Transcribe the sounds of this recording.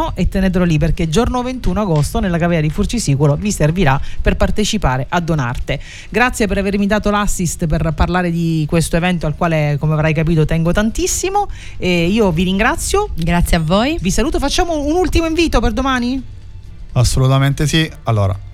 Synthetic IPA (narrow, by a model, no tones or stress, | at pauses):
oʔet̪ːenet̪̬ɾolːip̬erk̟ed͡ʒornovent̪unoaɡost̪onelːakavɛːad̪ifurt͡ʃisiːkuloviserviɾaperpart̪et͡ʃipaːɾeʔad̪ːona̰rt̪e | ɡɾat̪sːjepeɾavermid̪aːt̪olasːist̪perparlaːɾed̪ikwest̪oevɛnt̪oalkwaːlekomeavɾajkap̬iːt̪ot̪ɛŋɡot̪ant̪isːimo | eiːoviɾiŋɡɾat̪sːjoɡɾat̪sjeavoːjvisaluːt̪ofat͡ʃːaːmounult̪imoiɱviːt̪operd̪omaːni | asːolut̪ament̪esi | alːo̰ːɾa̰